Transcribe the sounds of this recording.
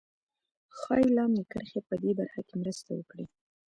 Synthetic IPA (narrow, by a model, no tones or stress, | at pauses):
xɑjilɑmd̪əkəɾxepəd̪ebaɾxakemɾəst̪awə̰kɽi